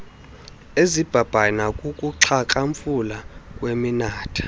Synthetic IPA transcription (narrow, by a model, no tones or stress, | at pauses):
ezib̥ʱab̥ʱanakʼukʼuǁʰakʼaɱfulakʼweminaːtʰḁ